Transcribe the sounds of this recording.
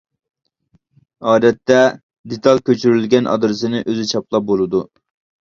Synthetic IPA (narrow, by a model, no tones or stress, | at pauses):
ɑːd̪ɛt̪ʰːɛ | d̪et̪ʰɑlˠkʲøt͡ʃʰyɾylɡʲɛnʔɑ̰d̪ɾɨsɨnɪʔøzyt͡ʃʰɑplˠɑp̚bolˠɨd̪u